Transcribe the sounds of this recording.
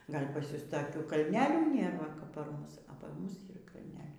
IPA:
ˈɡɐlʲ pɐs ˈjʊs tɐˈkʲuː kɐlʲˈnʲæːlʲuː ˈnʲeːr ˈʋɐ kɐp pɐr ˈmʊs oː pɐr ˈmʊs ˈiːr kɐlʲˈnʲæːlʲɛɪ

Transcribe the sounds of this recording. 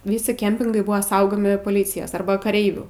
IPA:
ˈʋʲiːsʲɪ ˈkʲɛmʲpʲɪŋɡɐɪ ˈbʊʋɐ ˈsɐʊɡoːmʲɪ poːˈlʲiːt͡sʲɪjɛs ˈɐrbɐ kɐˈrʲɛɪʋʲuː

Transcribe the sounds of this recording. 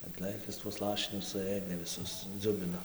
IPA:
ɐtˈlˠɘkʲɪs tuɔs ˈlˠɑːʃʲɪnʲʊs sʊˈɘdʲeː ʋʲɪˈsʊs ˈd͡zʊbʲɪnoː

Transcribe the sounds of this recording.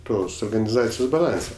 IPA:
ˈtoːs oːrɡɐnʲɪˈzɑːt͡sʲɪjoːs bɐˈlˠɐnʲsʲɛ

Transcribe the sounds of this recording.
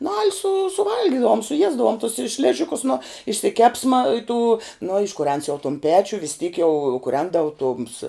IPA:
nʊ ɐlʲ sʊ sʊˈʋɐlʲɡʲɪdɐʋʊm sʊˈjiɛzdɐʋʊm tʊs ɪ ˈʃʲlʲɪʒʲɪkʊs nʊ ɪʃʲsʲɪˈkʲæːpsmɐ ɪ tuː noː ɪʃkʊˈrʲɛns jɛʊ tʊm ˈpʲæːt͡ʃʲʊ ʋʲɪs tʲiːk jɛʊ kʊˈrʲɛndɐʋʊ tʊms

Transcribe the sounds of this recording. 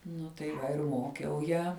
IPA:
ˈnʊ tɐɪ ˈʋɐ ɪr ˈmoːkʲɛʊ ˈjæː

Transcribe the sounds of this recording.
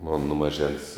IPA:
moːn nʊ mɐˈʒʲɛns

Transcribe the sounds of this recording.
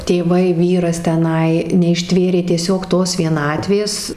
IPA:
tʲeːˈʋɐɪ ˈʋʲiːrɐs tʲɛˈnɐɪ nʲɛɪʃʲˈtʲʋʲeːrʲeː tʲiɛˈsʲoːk ˈtoːs ʋʲiɛˈnɑːtʲʋʲeːs

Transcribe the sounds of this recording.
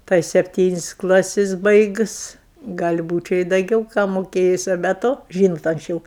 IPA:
tɐɪ sʲɛpʲˈtʲiːnʲɪsʲ ˈklˠɑːsʲɪs ˈbɐɪɡʊs ˈɡɐlʲ ˈbuːt͡ʃʲɛ ɪ dɐˈɡʲɛʊ kɑː moːˈkʲeːjʊs oː bʲɛ ˈtoː ˈʒʲiːnoːt ɐŋksʲˈt͡ʃʲɛʊ

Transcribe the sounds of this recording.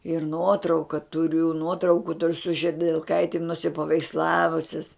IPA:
ɪr ˈnuɔtrɐʊkɐ tʊˈrʲʊ ˈnuɔtrɐʊkʊ sʊ ʒʲɪdʲɛlˠˈkɐɪtʲɪm nʊsʲɪpɐʋʲɛɪksˈlˠɑːʋʊsʲɪs

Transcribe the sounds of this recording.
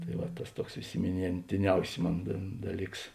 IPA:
tɐɪ ˈʋɐ ˈtɐs ˈtuɔks ɪsʲɪmʲɪnʲeːnʲtʲɪˈnʲɛʊsʲɪ ˈmoːn dɐ ˈdɑːˌlʲiːks

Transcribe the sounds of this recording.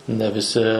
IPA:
nʲɛ ʋʲɪˈsʲɪ

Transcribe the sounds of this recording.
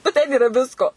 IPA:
nʊ ˈtʲɛn iːˈrɐ ˈʋʲɪskoː

